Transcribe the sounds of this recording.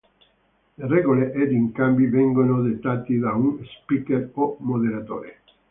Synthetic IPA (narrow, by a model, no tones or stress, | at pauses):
lerɛɡoleʔed̪iŋkambivɛŋɡonod̪et̪ːaːt̪id̪aunspikeɾomoðelat̪o̰ːɾe